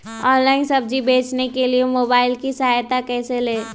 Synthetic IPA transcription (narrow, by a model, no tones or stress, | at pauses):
ɔːnlaːɪnsɐb̚d͡ʒibeːt͡ʃnekeliemoːbaːɪlkisɐɦaːjt̪akɛːseleː